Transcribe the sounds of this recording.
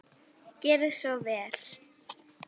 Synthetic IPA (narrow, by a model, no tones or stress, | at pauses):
cɛːɾɪsvɔvɛːl̥